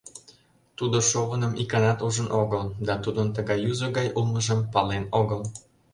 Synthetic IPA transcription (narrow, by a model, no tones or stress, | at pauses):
t̪ud̪oʃoɣənə̆mʔikɑnɑt̪uʒə̆nʔoɣəld̪ɑt̪ud̪ənt̪əɣɑjuzəɣɑjulˠməʒəmpɑlenoɣəl